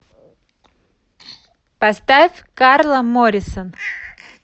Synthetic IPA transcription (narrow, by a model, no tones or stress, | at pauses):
pɐst̪afʲkarlˠəmoɾʲɪsən